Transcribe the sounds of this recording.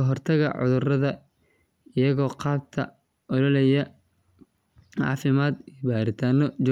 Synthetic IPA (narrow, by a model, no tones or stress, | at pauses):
ɐɦɔrt̪ʰɐɣɐ̰ʕʊ̰ðʊrɐðɐ | ɪjɐɣɔːqɑːb̚t̪ʰɐ̰ | ʔɔlɔlɛjɐ | ɑ̰ːfɪmaːd̪ijbaːɾɪt̪ʰaːnɔd͡ʒ